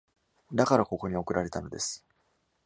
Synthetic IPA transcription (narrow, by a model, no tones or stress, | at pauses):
d̪akaɾako̞ko̞ɲ̟io̞kɯ̟ɾaɾe̞t̪ano̞d̪e̞sɨ̥